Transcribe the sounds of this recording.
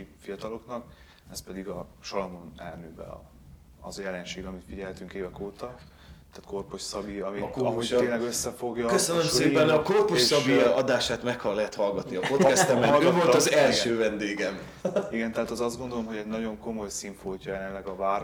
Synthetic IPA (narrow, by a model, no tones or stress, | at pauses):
ifijɒt̪ɒlo̞knɒk | ɛspɛd̪iɡɒʃɒlɒmonɛlnøːbɛ̰ɒ̰ | ɒ̰zjɛlɛnʃeːɡɒmit̪fiɟɛlhɛt̪yŋkeːvɛkoːt̪ɒ | t̪aːt̪korpoʃsɒbiɒmiɒoeːnlɛɡøsːɛfo̞ɡjɒkøsønømseːpɛnɒko̞rpoʃsɒbiɒd̪aːʃaːt̪mɛkhɒlɛɦɛt̪hɒlɡɒt̪niɒpo̞t̪ɛst̪ɛmɛvo̞lt̪ɒzɛlʃøːvɛnd̪eːɡɛm | iɡɛnt̪ɛɦaːt̪ɛzɒzd̪ɡond̪o̞lomɦoɟɛɟnɒɟo̞ŋko̞mo̞jsiɱfoːcɒjɛlɛnlɛɡɒvaːr